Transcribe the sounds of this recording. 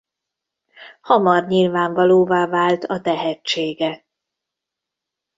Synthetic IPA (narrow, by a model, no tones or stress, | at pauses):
hɒmɒrɲilvaːɱvɒloːvaːvaːlt̪ʰɒt̪ɛɦɛt͡ʃːeːɡɛ